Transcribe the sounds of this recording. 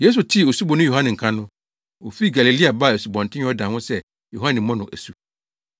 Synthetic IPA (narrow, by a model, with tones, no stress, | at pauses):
je˦s̬u˨tʰi˦˨o˨su˦bɔ˨nʊ̃˦jo˨hã˦nɪ̃˨ŋ̩˨kʰã˦nʊ̃˦ | o˨fi˦˨ɡa˨li˨li˦a˨ba˦˨e˨su˨bɔ̃˨ntʰɪ̃˦ɲ˦ɔ˦dã˨wʊ̃˦sɛ˦ | jo˨ɦa˦nɪ̃˨mɔ̃˦nʊ̃˨ʔæ̰˨su˨